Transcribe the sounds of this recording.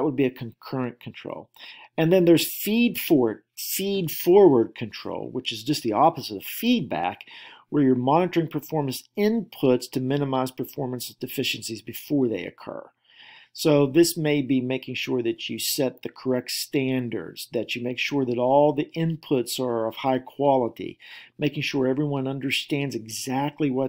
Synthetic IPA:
ət̚wəd̚biɨkʰɨ̃nkʰɜ˞ɨ̃nkʰn̩tʰɹ̥o̰ʊlˠ | ɨ̃nðɨ̃nðə˞z̥fidfɔɹd̚ | fidfɔɹwə˞d̚kʰɨ̃ntʰɹ̥o̰ʊlˠwət͡ʃɨzd͡ʒʌst̪̚ðiɔpɨzɨɾə̥fid̚bæ̰kwə˞jə˞mɑnɨɾə˞ɪ̃ŋpʰə˞fɔɹmɨ̃n̩sɪ̃npʰʊtstʰɨmɪ̃nəmaɪz̥pʰə˞fɔɹmə̃nsʌdɨfɪʃɨ̃nsizbɨfɔɹðeɪɨ̰kʰɜ̰˞ | soʊðɪsmeɪbimeɪkɪ̃ŋʃʊɹðɨt͡ʃɨsɛt̪̚ðɨkʰə˞ɛk̚tstæ̃ndə̰˞dz̥ðɨt͡ʃɨmeɪkʃʊɹðɨɾɔlˠðiʔɪ̃npʰʊtsə˞ʌv̥haɪkʰw̥ɑlˠəɾḭmeɪkɪ̃ŋʃʊɹɛvɹiwʌ̃nʌ̃ndə˞stæ̃ndzɨɡzæk̚tʰˡliwʌ

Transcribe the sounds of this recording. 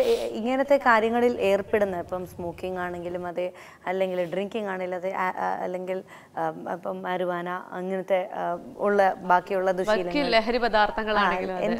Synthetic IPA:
iŋːɐnɐt̪ːe̞kaːɾjɐŋːɐɭilʔe̞ːrpeɽunːɐipːɐmsmoːkːiŋɡaːɳe̞ŋɡilumɐðɨ | ɐlːe̞ŋɡilɖriŋkiŋɡaːɳelːɐðɨʔɐ̰lːe̞ŋɡil | ɐ̰pːɐmɐɾuʋaːnaɐŋːɐnɐt̪ːe̞uɭːɐbaːkːijuɭːɐd̪uʂɐijilːɐkːileɦɐɾibɐd̪aːrt̪ʰːɐŋːɐɭaːɳeŋɡiluɐḛd̪

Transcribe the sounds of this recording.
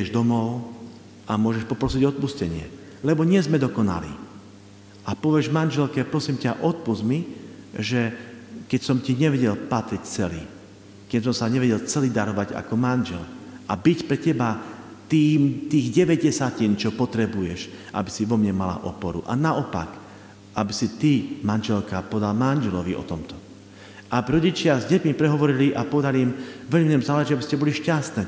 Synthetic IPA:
ɛʒd̪ɔmɔʊ | amʊɔʒɛʃpɔpɾɔsiɟɔt̪̚puscɛɲɪɛ̰ | lɛbɔɲɪɛzmɛd̪ɔkɔna̰lḭː | apɔʋɛʒmanʒɛlkɛpɾɔsimcaʔɔt̪̚puzmiʒɛkɛcsɔmciɲɛʋɛɟɛlpat̪ɾict͡sɛlḭː | kɛs̬ɔmsaɲɛʋɛɟɛlt͡sɛliːd̪aɾɔʋaɟa̰kɔmanʒɛ̰lʔabicpɾɛcɛbat̪iːmt̪iːɣɟɛʋɛɟɟɛsacint͡ʃɔpɔt̪ɾɛbujɛʃʔa̰bisiʋɔmɲɛmala̰ʔɔpɔɾṵʔa̰naʔɔpa̰k | ʔabisit̪imanʒɛlkapɔɛd̪almanʒɛlɔʋiʔɔ̰t̪ɔmt̪ɔ | ʔabɾɔɟit͡ʃɪazɟɛcmipɾɛɦɔʋɔɾiliʔapɔʋɛd̪aliːmʋɛʎmimiɲɛmzaːlɛʒiabiscɛbɔliʃcast̪nɛː

